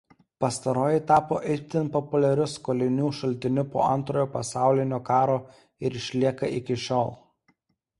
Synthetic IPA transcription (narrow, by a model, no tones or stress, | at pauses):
pɐst̪ɐɾoːjɪt̪ɑːpoːʔɪt̪ʲɪnˑpɔpʊlʲɛɾʲʊskoːlʲɪnʲuːʃɐlʲt̪ʲɪnʲʊpo̰ːʔɐnˑt̪ɾoːjoːpɐsɑˑʊlʲɪnʲoːkɑːɾoː | ɪɾɪʃʲlʲiɛkɐʔɪkʲɪʃʲoːlˠ